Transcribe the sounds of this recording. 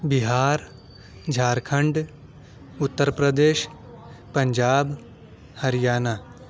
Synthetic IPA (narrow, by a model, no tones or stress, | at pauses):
biɦaːɾ | d͡ʒʱaːɾkʰɐɳɖ | ʊt̪ːəɾpɾəd̪eːʃ | pɐ̃ɲd͡ʒaːb | hɐɾijaːnaː